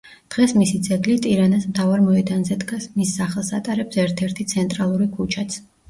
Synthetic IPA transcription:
d̪̥ʁɛsmisid̪zɛɡlit̪ʼiɾanasmt̪ʰavaɾmɔɛd̪anzɛd̪ɡasmisːaχɛlˠsat̪ʼaɾɛbsɛɾt̪ʰɛɾt̪ʰit̪sʰɛnt̪ʼɾalˠuɾikʰut͡ʃʰat̪sʰ

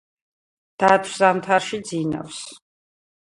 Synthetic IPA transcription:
d̪̥at̪ʰwzamt̪ʰaɾʃid̪zina̰fs

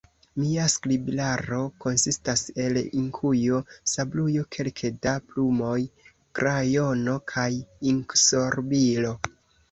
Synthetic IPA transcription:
miaskliblaɾo̞ko̞nsistase̞liŋkʰujosablujo̞kʰe̞lkʰedaplumo̞j | kɾajo̞no̞kʰajiŋkso̞ɾbilo̞

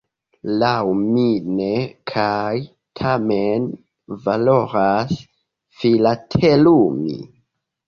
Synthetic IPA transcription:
lawminekʰaj | tʰamen | valo̞ɾas | filatʰelumḭ

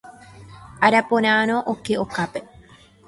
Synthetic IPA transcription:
ʔaɾaponaːnoʔokːeʔokape

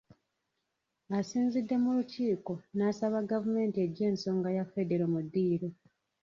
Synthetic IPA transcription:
asiːnzidːe̞muluciːko̞naːsaβaɡavume̞ːntie̞ɟːe̞ːnso̞ːŋɡajafe̞deɾomudːiːɾe

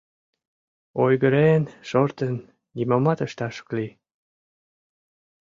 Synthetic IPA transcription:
ojɣəɾenʃoɾt̪ə̆nːʲ | imɑmɑt̪əʃt̪ɑʃə̥kli

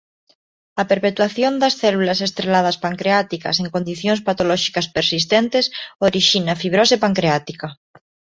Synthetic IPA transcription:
apeɾpet̪waθjond̪asθelulasest̪ɾelað̞aspaŋkɾeat̪ika̰se̞ŋko̞nd̪iθjonspat̪olɔʃi̥kaspeɾsist̪ent̪esoɾiʃinafiβ̞ɾosepaŋkɾeat̪ika

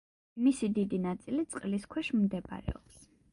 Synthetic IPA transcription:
misid̪id̪inat̪sʼilit̪sʼqʼliskʰwɛʃmd̪ɛba̰ɾɛ̰ɔ̰ps

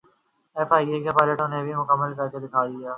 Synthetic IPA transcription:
ɛːfaːiekepaːləʈʊ̃nẽbʱimʊkəmːəlkɐɾked̪ɪkʰaːd̪ɪjaː

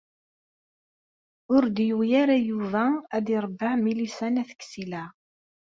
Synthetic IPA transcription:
ʊɾd̪jujaɾæjuvææd̪iɾˤbːəʕmilisænæθə̥kːsilæ

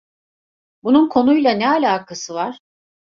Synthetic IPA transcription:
bununkʰo̞nujlˠanɛalʲaːkʰasɯvaɾ̥

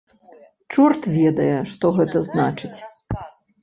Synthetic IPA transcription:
t͡ʂurt̪vʲɛd̪ɐjɛʂt̪ɔɣɛt̪ɐznat͡ʂɨt͡sʲ

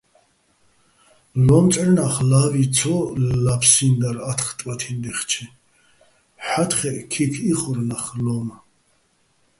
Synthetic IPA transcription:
lɔmt͡s̪ʼɛɾnaχlavit͡sʰɔlapʰsind̪aɾat̪ʰχt̪ʼwat̪ʰind̪ɛχt͡ʃʰi | ħat̪ʰχɛʔkʰikʰiχɔɾnaχlɔm

